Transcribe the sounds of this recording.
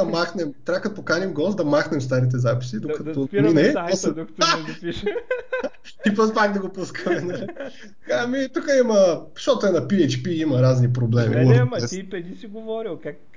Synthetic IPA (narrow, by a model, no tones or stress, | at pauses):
ɐmaxnɛmt̪ɾakəd̪pokanimɡɔst̪d̪ɐmaxnɛmst̪aɾit̪̬ɛzapi̥sid̪okɐt̪ominɛɔsɛd̪kt̪apiʃ | ipɾospaknɐɡopuskəmɛnal | amit̪ukəimɐʃɔt̪oɛnɐpiɛt͡ʃpiimɐɾaznipɾoblɛmḭuɾɛipɛd̪isiɡovɔɾilˠkak